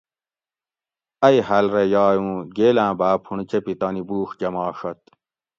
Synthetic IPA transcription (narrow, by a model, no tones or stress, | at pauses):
ɐjhɐlɾejɑːjũːɡeːlãːbaːpʰuɳt͡ɕepit̪ɑːnibuːxd͡ʑɐmɑːʂɐt̪̚